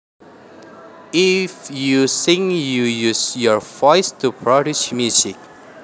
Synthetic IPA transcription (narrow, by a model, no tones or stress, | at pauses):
ifjusĩŋjujusjɔvɔɪstʰupʰɹɔdit͡ʃmjusik̚